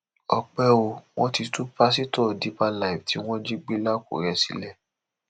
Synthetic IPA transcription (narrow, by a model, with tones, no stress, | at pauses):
ɔ˧k͡pɛ˦o˧w̃ɔ̃˦ti˧tu˦pa˦si˦tɔ˦˨di˧˦pa˧la˦˨i˨fti˨˦w̃ɔ̃˦d͡ʒi˦ɡ͡be˦la˦ko̰˨ɾɛ˧sḭ˧˦lɛ˦˨